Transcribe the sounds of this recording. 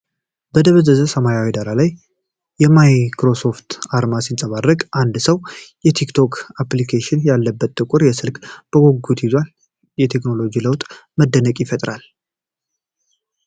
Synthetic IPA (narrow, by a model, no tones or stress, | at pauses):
bəd̪əβəzəzəsəmajawid̪aɾalajː | ɛmajkɾo̞so̞ft̪aɾmasinsʼəβarːəkʼʔand̪səwjɛt̪ʰikt̪ʰo̞kʰaplikʰeʃɪnjalːəbːət̪ːʼɨkʷʼʊɾjɛsɨlkʼb̥əɡʷoɡːut̪izwal | jɛt̪ʰe̞kno̞lo̞d͡ʒiləwt̪ʼməd̪ːənəkʼjɪfət̪ʼɾal